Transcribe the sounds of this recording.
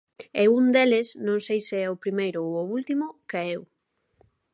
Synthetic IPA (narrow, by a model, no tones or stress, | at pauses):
ɛund̪elɪsnõŋsejseɛʊpɾimejɾʊooult̪imʊkeɛw